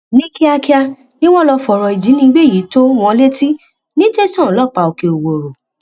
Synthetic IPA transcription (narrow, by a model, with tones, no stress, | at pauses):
nĩ˦ki˦a˧ki˦a˧ | nĩ˦w̃ɔ̃˦lɔ˧fɔ˨ɾɔ˨i˨d͡ʒi˨˦nĩ˧˦ɡ͡be˦˨ji˨˦to˦w̃ɔ̃˧le˦ti˦ | nĩ˦te˦sɔ̃˦˨lɔ˦pa˧˨o˨ke˨o˨wo˨ɾo˨